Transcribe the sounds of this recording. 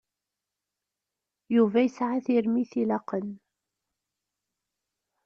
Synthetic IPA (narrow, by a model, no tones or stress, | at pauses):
juvæjəsʕaθiɾmiθilɑqən